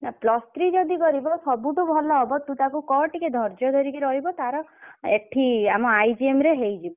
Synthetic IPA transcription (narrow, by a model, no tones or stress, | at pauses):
naplɔst̪ɾid͡ʒɔd̪ikɔɾibɔsɔbuʈubʱɔlɔːbɔt̪ːut̪akukɔɾʈiked̪ʱɔɾd͡ʒɔd̪ʱɔɾikeɾɔɦibɔt̪aɾɔekʈʰiamɔajd͡ʒiemɾeɦejd͡ʒibɔ